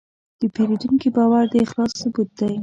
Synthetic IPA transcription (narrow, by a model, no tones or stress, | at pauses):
d̪̥əpelid̪uŋkibɑwaɾd̪əɪxlɑsːʊbut̪̚d̪aj